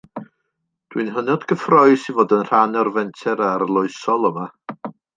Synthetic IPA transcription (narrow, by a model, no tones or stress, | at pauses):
d̥winɦənɔdɡ̥əfrɔɨ̥sivoːdənr̥anɔrvɛntʰɛɾaɾlˠʊɨsɔlˠəma